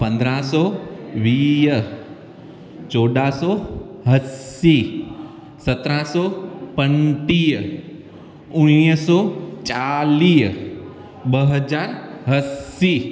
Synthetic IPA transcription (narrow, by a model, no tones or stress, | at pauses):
pə̃nd̪ɾãsɔʋijə | t͡ʃoɖasɔɦəsi | sət̪ɾãsɔpəɳʈij | ʊɽ̃ijəsɔt͡ʃalij | bəɦəd͡ʒaɾɦəsi